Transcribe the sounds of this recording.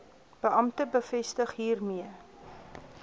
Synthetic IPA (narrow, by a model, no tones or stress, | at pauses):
b̥əʔɐmtəbəfɛstəχɦiːrmiə